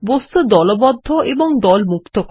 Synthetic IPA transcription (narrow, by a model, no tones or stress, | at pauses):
bost̪ud̪ɔlobɔd̪ʱːoʔeboŋd̪ɔlmukt̪ok